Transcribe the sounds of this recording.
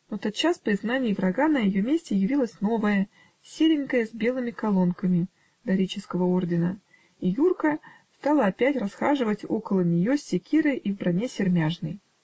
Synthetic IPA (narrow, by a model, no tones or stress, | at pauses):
not̪ot̪̚t͡ɕːaspəɪzɡnanʲɪjɪvɾɐɡanəjɪjo̞mʲesʲtʲɪjɪvʲilˠəsʲno̞vəjə | sʲelʲɪnkəjəzʲbʲe̞lˠɨmʲɪkɐlˠo̞nkəmʲɪ | d̪ɐɾʲit͡ɕɪskəvəo̞rdʲɪnə | ijurkə | st̪alˠəɐpʲætʲrɐsxaʐɨvətʲo̞̰kəlˠənʲɪjosʲːɪkʲiɾɨʔivbɾɐnʲesʲɪrmʲaʐnəj